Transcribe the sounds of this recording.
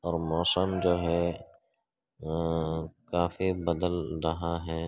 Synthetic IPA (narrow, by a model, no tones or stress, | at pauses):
ɔːɾmɔːsəmd͡ʒoːɦɛ | kaːfibəd̪əlɾɐɦaɦɛː